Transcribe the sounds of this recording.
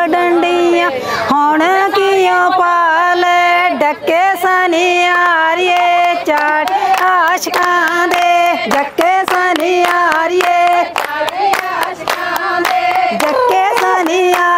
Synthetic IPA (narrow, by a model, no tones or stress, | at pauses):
ɖɐɳɖijãː | hoːnakijõːpaːleɖɐkːesaːniaːɾɪjeːt͡ʃaːʈaːʃkãːd̪ed͡ʒɐkːesaːnijaːɾɪjeː | d͡ʒɐkːeːsaːnia